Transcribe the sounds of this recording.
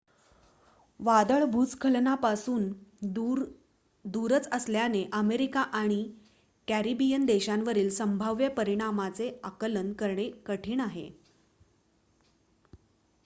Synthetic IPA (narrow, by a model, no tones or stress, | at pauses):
ʋad̪əɭbʱut͡skʰəlnapasuːn | d̪uɾət͡səsljaneʔəmeɾikaʔaɽ̃i | kæɾibijənd̪eɕãnʋəɾiːlsəmbʱaʋjəpəɾiɽ̃amat͡seakələnkəɾɳekəʈʰiːnaɦḛ